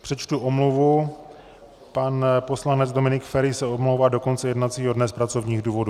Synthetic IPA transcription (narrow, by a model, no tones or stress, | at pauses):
pr̝̥ɛt͡ʃt̪uʔomluvu | panpo̞slanɛd͡zdo̞mɪnɪkfɛɾɪsɛomlowvaːdo̞kont͡sɛjɛdnat͡siːɦodnɛspɾat͡so̞vɲiːɣduːvo̞du